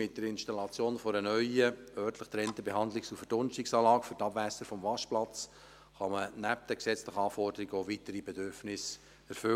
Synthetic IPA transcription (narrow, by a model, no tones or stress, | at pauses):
mɪt̚d̥əɾɪnʃtɑlɑt͡sjoːnfɔɾənœʏəœrtləχt̪ɾɛntəbeɦɑnd̪lɪksufəd̥ʊnʃtɪksɑːlɑːkfʏɾtɑbʋæsəɾfɔmvɑʃplɑt͡s | χɑmənæp̚d̥̪ɛksɛt͡sləχəɑːfɔrd̥əɾiɡəovit̪əɾibɛdʏɾfnɪs | ɛɾfʏ